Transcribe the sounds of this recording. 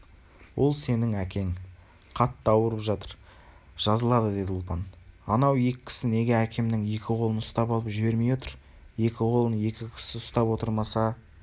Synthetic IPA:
wʔo̞lˠse̞nɪŋækʲʰe̞ŋ | qʰɑt̪ːəɑwəɾəpʒɑt̪əɾ | ʒ̥ɑzəlˠɑd̪əd̪e̞d̪ʊlˠpɑnɑnɑwje̞kʲɪ̥kʲʰɪ̥sɪne̞ɡʲeækʲe̞mnɪŋje̞kʲɪqʰo̞lˠənʊst̪ɑpɑlˠəpʒɪbe̞ɾme̞jwo̞t̪əɾ | je̞kʲɪqʰo̞lˠənje̞kʲɪkʲʰɪ̥sɪʊst̪ɑpwo̞t̪əɾmɑsɑ

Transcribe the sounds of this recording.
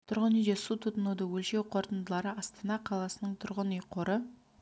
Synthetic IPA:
t̪ʰʊɾʁənijd̪esut̪ʰʊt̪ənud̪əwɵlʃewqʰo̞ɾt̪ənd̪əlˠɑɾəʔɑst̪ɑnɑqʰɑlˠɑsənəɴt̪ʰʊɾʁənəjqʰoɾə

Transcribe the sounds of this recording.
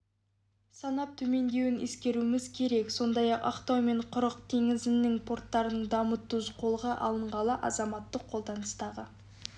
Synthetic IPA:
sɑnɑp̚t̪ʰɵme̞nd̪e̞wɪnḛskʲe̞ɾuɪmɪzkʲʰe̞ɾe̞kso̞nd̪ɑjɑqɑ̰qt̪ɑwme̞ɴqʰʊɾəq̚t̪ʰe̞ŋɪzɪnːɪŋpʰo̞rt̪ːɑɾənəɴd̪ɑmət̪ːʊzqʰo̞lˠʁəʔɑ̰lˠəɴʁɑlˠəʔɑ̰zɑmɑt̪ːəqʰːo̞lˠd̪ɑnəst̪ɑʁə

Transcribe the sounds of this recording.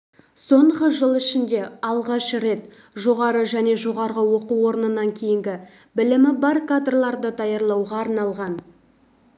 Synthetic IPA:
so̞ɴʁəʒəlˠɪʃɪnd̪e̞ɑlˠʁɑʃɾe̞t̪ | ʒo̞ʁɑɾəʒæne̞ʒo̞ʁɑɾʁəwo̞quwo̞ɾnənɑŋkʲʰe̞jɪŋɡʲɪ | bɪlɪmɪbɑɾkad̪rlˠɑɾd̪ət̪ʰɑjɑɾlˠɑwʁɑːɾnɑlˠʁɑn

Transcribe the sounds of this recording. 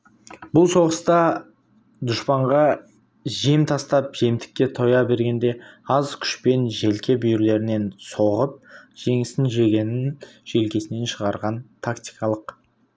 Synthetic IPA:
bʊlˠso̞ʁəst̪ɑ | d̪ʊʃpɑɴʁɑ | ʒemt̪ʰɑst̪ɑpʒ̥e̞mt̪ɪ̥kʲːe̞t̪ʰo̞jɑbe̞ɾɡʲe̞nd̪e̞ɑzkʲʰʏ̥ʃpe̞nʒe̞lkʲe̞bʏjɪɾle̞ɾɪne̞nso̞ʁəp̚ʒ̥e̞ŋɪsɪnʒe̞ɡʲe̞nɪnʒ̥e̞lkʲe̞sɪne̞nʃəʁɑɾʁɑnt̪ʰakt̪ijkɑlˠəq

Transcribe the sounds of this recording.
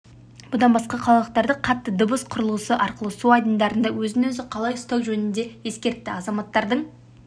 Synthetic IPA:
b̥ʊd̪ɑnbɑsqɑqʰɑlˠɑlˠəq̚t̪ɑɾd̪əqʰɑt̪ːəd̪obəsqʰʊɾəlˠuəsəʔɑɾqəlˠəsuɑjd̪ənd̪ɑɾənd̪ɑwɵzɪnwɵzɪqʰɑlˠɑjʊst̪ɑwʒɵnɪnd̪e̞je̞skʲe̞ɾt̪ːɪɑzɑmɑt̪ːɑɾd̪əɴ

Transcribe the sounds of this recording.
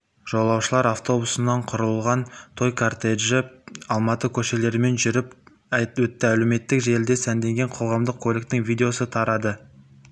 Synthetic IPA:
ʒ̥o̞lˠɑwʃəlˠɑɾaft̪o̞busənɑɴqʰʊɾəlˠʁɑnt̪ʰo̞jkʰart̪eʒəɑlˠmɑt̪əkʲʰɵʃe̞le̞ɾme̞nʒʏɾɪp | wɵt̪ːɪælewme̞t̪ːɪkʒe̞ld̪e̞sænd̪e̞ŋɡʲe̞ɴqʰo̞lˠʁɑmd̪əqʰːo̞lʲɪk̚t̪ɪŋvʲijd̪ʲe̞o̞sət̪ʰɑɾɑd̪ə

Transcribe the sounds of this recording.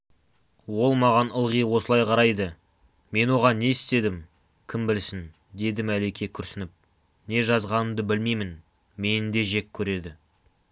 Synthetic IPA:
wo̞lˠmɑʁɑnəlˠʁijwo̞səlˠɑjqʰɑɾɑjd̪ə | me̞nwo̞ʁɑnːe̞ɪst̪e̞d̪ɪm | kʲʰɪmbɪlsɪn | d̪e̞d̪ɪmæle̞kʲʰe̞kʲʰʏɾsɪnɪp̚ | ne̞ʒɑzʁɑnəmd̪əbɪlmejmɪn | me̞nɪnd̪e̞ʒe̞kʲʰːɵɾe̞d̪ɪ

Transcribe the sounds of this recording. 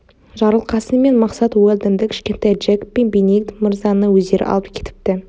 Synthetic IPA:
ʒɑɾəlˠqɑsəme̞nmɑqsɑt̪wolʲˠd̪ɪnd̪ɪkʲʰɪ̥ʃkʲe̞nt̪ɑjdʒekpːe̞nbenekt̪mɪɾzɑnəwɵzd̪e̞ɾɪ̰ʔɑ̰lˠəpkʲʰe̞̥t̪ɪ̥p̚t̪ɪ

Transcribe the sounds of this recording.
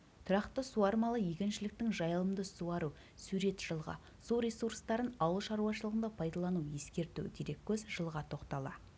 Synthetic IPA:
t̪ʰʊɾɑqt̪əsuɑɾmɑlˠəjekʲɪnʃɪlɪk̚t̪ɪŋʒɑjlˠəmd̪əsuɑɾu | suɾe̞t̪ʒ̥əlˠʁɑ̰ | suɾesurst̪ɑɾənɑwəlˠʃɑɾuɑʃəlˠəʁənd̪ɑpʰɑjd̪ɑlˠɑnuje̞skʲe̞ɾt̪ṵwd̪eɾe̞kʲʰːɵzʒəlˠʁɑt̪ʰo̞qt̪ɑlˠɑ

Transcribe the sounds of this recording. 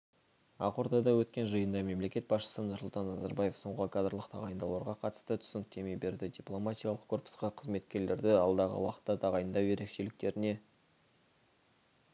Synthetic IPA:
ɑ̰qwoɾt̪ɑd̪ɑwɵt̪kʲe̞nʒəjənd̪ɑme̞mle̞kʲe̞t̪̚bɑsʃə̥sənʊɾsʊlˠt̪ɑnːɑzɑ̰ɾbɑje̞fso̞ɴʁəkʰad̪ɾlˠəqt̪ʰɑʁɑjənd̪ɑlˠɑɾʁɑqʰɑt̪ə̥st̪ət̪ʰʏ̥sɪnɪk̚t̪ʰe̞me̞jbe̞ɾd̪ɪd̪ʲiplˠo̞mat̪ʲijalˠəq̚kʰorpə̥sqɑqʰəzme̞t̪kʲe̞ɾle̞ɾd̪ɪɑlˠd̪ɑʁə̰wɑqə̥t̪ːɑt̪ʰɑʁɑjənd̪ɑwje̞ɾe̞kʃe̞lɪk̚t̪e̞ɾɪne̞

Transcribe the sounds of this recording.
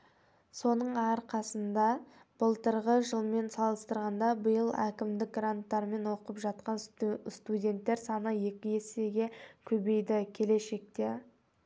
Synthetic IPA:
so̞nəɴɑɾqɑsənd̪ɑ | b̥əlˠt̪əɾʁəʒəlˠme̞nsɑlˠəst̪əɾʁɑnd̪ɑbəjəlˠækʲɪmd̪ɪk̚ɡrant̪ːɑɾme̞nwo̞qəpʒɑt̪̚qɑnst̪udʲe̞nt̪ːe̞ɾsɑnəje̞kʲɪje̞se̞ɡʲe̞kʲʰɵbe̞jd̪ɪkʲʰe̞le̞ʃe̞k̚t̪e

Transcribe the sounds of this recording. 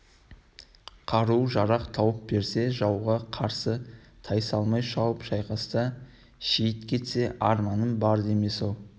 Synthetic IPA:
qʰɑɾuʒɑɾɑqt̪ʰɑwəp̚be̞ɾse̞ʒɑwʁɑqʰɑɾsət̪ʰɑjsɑlˠmɑjʃɑwəpʒɑjqɑst̪ə | ʃejɪt̪kʲʰe̞t̪se̞ʔɑɾmɑnənbɑɾd̪e̞me̞solˠ

